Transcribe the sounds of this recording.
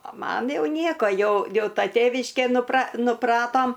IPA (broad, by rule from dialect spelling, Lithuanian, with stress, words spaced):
oː ˈmɐn ˈjɛʊ ˈnʲiɛkoː ˈjɛʊ ˈjɛʊ ˈtɐ ˈtʲeːʋʲɪʃʲkʲeː nʊprɐ nʊˈprɑːtoːm